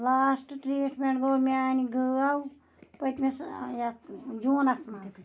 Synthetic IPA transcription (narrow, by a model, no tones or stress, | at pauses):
laːsʈʈɾiːʈmẽʈɡoːmiaːniɡʱɨau | pɐt̪mesjad͡ʒuːnɐsmɐas